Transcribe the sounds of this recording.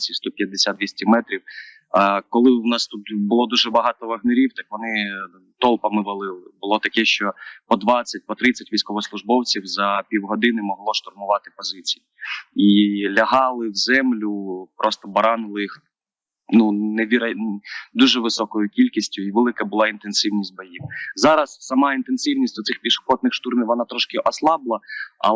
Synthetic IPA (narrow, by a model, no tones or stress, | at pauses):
t͡sʲist̪ɔpʲjɐd̪ːesʲat̪ʋʲisʲtʲimɛt̪ɾʲiw | kɔlˠɪwnɑst̪ut̪bʊlˠɔd̪uʒɛbɐɦɑt̪ɔʋɐɦneɾʲiwt̪ɑkʋɔnɪ | t̪ɔlˠpɐmɪʋɐlˠɪlˠɪbʊlˠɔt̪ɐkɛʃt͡ʃɔpɔd̪ʋɑt͡sʲːɐt̚ʲpɔt̪ɾɪt͡sʲɐtʲʋʲijsʲkɔʋɔslˠʊʒbɔwt͡sʲiwzɐpʲiwɦɔd̪ɪnɪmɔɦlˠɔʃt̪ɔrmʊʋɑt̪ɪ̥pɔzɪt͡sʲi̥jiilʲɐɦɑlˠɪwzɛmlʲʊpɾʔɔst̪ɔbɐɾɑnʊlˠɪix | nunɛʋʲiɾɐd̪uʒɛʋɪsɔkɔjʊkʲilʲkʲisʲtʲʊiʋɛlˠɪkɐbʊlˠɑint̪ensɪwnʲisʲt̚ʲbɐjiwzɑɾɐssɐmɑint̪ensɪwnʲisʲtʲd̪ɔt̪sɪxpʲiʃʊ̥xɔt̪nɪxʃt̪urmʲiwʋɔnɑt̪ɾɔʃkɪʔɔslˠɑblˠɐɐ̰